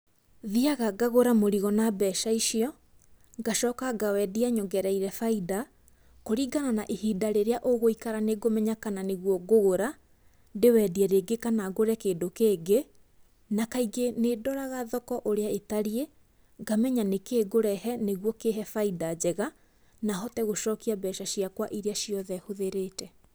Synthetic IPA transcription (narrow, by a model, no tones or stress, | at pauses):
ðiaɣaɡaɣoɾamoɾiɣɔnabɛʃaiʃiɔ | ɡaʃɔkaɡawɛdiaɲoɡɛɾɛiɾɛfaida | koɾiːɡananaʔehiːdaɾeɾeaʔoɣoikaɾaneɡomɛɲakananeɣwɔɡoɣoɾa | dewɛdiɛɾeɡekanaɡoɾɛkeːdokeːɡe | nakaiɡenedɔɾaɣaðɔkɔʔoɾeaetaɾie | ɡamɛɲanekeɡoɾɛɦɛneɣwɔkeɦɛfaidad͡ʑɛɣa | naɦɔtɛɣoʃɔːkiabɛʃaɕijakwaʔiɾeaʃiɔðɛhoðeɾeːtɛ